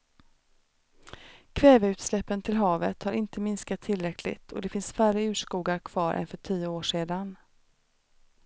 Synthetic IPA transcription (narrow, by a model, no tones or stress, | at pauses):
kʰvɛːvəʉ̟ːt̪slɛpːənt̪ʰɪlɦɑːvət̪haɾʔɪnt̪əmɪnskat̪ʰːɪlɾɛkʰlɪ̰t̪ʰɔ̰d̪ɛfɪnsfæɾəʉ̟ːʂkuːɡaɾkʰv̥ɑːɾʔɛ̰nfœʈʰijʊoːʂeːd̪an